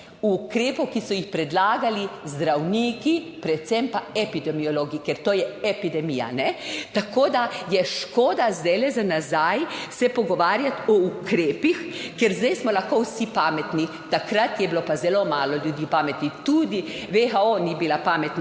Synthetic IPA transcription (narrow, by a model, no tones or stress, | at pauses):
uːkɾeːpɔwkisɔjixpɾɛd̪laːɡalizd̪ɾawniːki | pɾɛt̪sɛmpaɛpid̪ɛmioloːɡikɛɾt̪oːjɛɛpid̪ɛmija̰nɛt̪akoːd̪ajɛʃkoːd̪azd̪ɛjlɛzanazajsɛpɔɡɔʋaːɾjat̪ɔukɾeːpixkɛɾzd̪ɛjsmɔlaxkowsipaːmɛt̪ni | t̪akɾat̪jɛbilopazɛlomaːlɔljud̪iːpaːmɛt̪nit̪ud̪iʋexaonibilapaːmɛt̪n